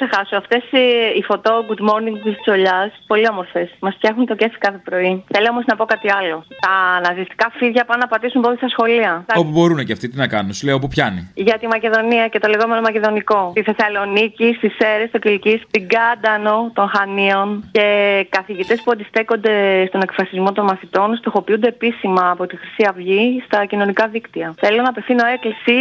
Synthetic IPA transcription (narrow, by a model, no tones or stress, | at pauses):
sexɐsoɐft̪e̞sifo̞t̪o̞ɡut̪mo̞ɾniŋɡt̪ist̪i̥so̞ʎɐspo̞liomoɾfesmɐsft̪çɐxunt̪o̞ce̞θi̥kɐθe̞pɾo̞iθe̞lio̞mo̞znɐpo̞kɐt̪iɐlo̞t̪ɐnɐðist̪i̥kɐfiðʝɐpɐnɐpɐt̪isumpot̪isɐsxo̞liɐopubo̞ɾuneceɐft̪it̪inɐkɐnunsleopupçɐnḭʝɐt̪imɐce̞ðo̞niɐce̞t̪o̞le̞ɣo̞me̞no̞mɐce̞ðo̞niko̞t̪iθe̞sɐlo̞nicist̪ise̞ɾest̪ocilcist̪iɡɐd̪ɐno̞t̪o̞nxɐnio̞nce̞kɐθiʝit̪e̞spuɐnd̪isθe̞ko̞nd̪e̞st̪o̞ne̞kfɾɐsizmo̞t̪o̞nmɐθit̪o̞nst̪o̞xo̞piund̪eːpisimɐːpo̞t̪ixɾisiɐvʝist̪ɐcino̞nikɐðikt̪iɐθe̞lunɐpe̞fθino̞e̞klisi